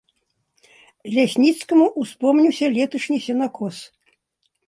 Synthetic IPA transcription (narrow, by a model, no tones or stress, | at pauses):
lʲasʲnʲit̪skɐmuʔuspɔmnʲiwsʲɐlʲɛt̪ɐʂnʲisʲɛnakʰɔs